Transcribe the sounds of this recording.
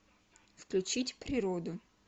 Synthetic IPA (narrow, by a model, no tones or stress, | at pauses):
fklʲʉt͡ɕitʲpɾʲɪɾod̪ʊ